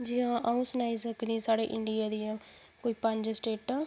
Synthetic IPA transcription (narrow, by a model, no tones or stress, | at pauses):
d͡ʒɪɦãːʔaũːsənaːiːsəkniːsaːɽeːʔɪɳɖɪjaːd̪iːãː | koːiːpəɲd͡ʒsʈeːʈãː